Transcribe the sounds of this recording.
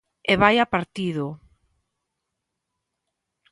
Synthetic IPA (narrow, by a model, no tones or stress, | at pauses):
eβajapaɾt̪iðʊ